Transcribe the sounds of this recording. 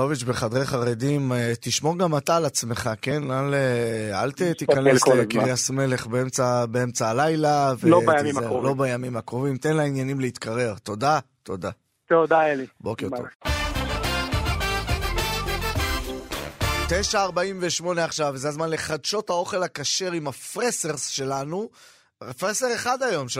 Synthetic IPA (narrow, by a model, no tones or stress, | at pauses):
oveʃbeχad̪ʁejχaʁe̞d̪imet̪iʃmo̞ʁɡamat̪alat͡sme̞χakenalea̰lt̪et̪ikankekʁiasme̞le̞χbeemt͡sabeemt͡saːlajlaveloejmimlobajamimakʁovimt̪enlainjanimleit̪kʰaʁe̞ʁt̪o̞da | t̪o̞d̪a | t̪od̪aelibokeʁo̰v | t̪ejʃaːʁbaimveʃmo̞ne̞aχʃavzeazmanle̞χadʃo̞thao̞χe̞lakaʃe̞ʁimafʁeseʁsʃe̞lanu | efʁese̞ʁeχad̪ajo̞mʃe